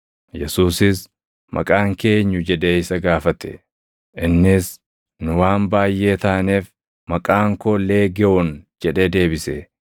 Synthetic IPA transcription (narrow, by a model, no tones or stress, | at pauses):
jɛsuːsɪs | mʔɐ̰kʼaːŋke̞ːɲːʊd͡ʒɛᶑe̞ːɪsɐɡaːfɐt̪ɛ̥̰ | ʔɪnːɪs | nʊwaːmbaːjʔe̞ːt̪aːneːf | mɐkʼaːŋkoːleːɡɛʊnd͡ʒɛᶑe̞ːd̪e̞ːbɪsɛ